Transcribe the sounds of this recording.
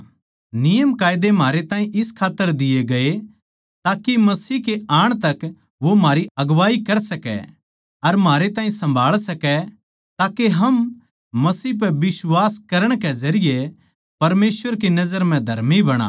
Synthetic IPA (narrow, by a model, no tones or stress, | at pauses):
nɪjəmkaːjɪd̪em̤aːɾet̪ãːɦĩʔɪskʰaːt̪ːəɾd̪ɪjeɡɐe | t̪aːkimɐsiːkeaːɽ̃t̪ɐk | ʋomaːɾiɐɡʋaːikɐɾsɐkɛ̰ | ɐɾmɦaːɾet̪ãːɦĩsɐ̃mbʱaːɭsɐkɛ | t̪aːkeɦɐm | mɐsiːɦp̬ɛbɪswaːskɐɾəɽ̃kezɐɾɪje | pɐɾmeːsʋəɾkinɐzəɾm̤ɛ̃d̪ʱɐ̰ɾmibɐɽ̃a̰ː